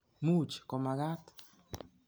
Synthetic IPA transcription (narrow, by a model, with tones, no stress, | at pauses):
mu˦t͡ʃkɔ˨ma˨ɡa˦t̪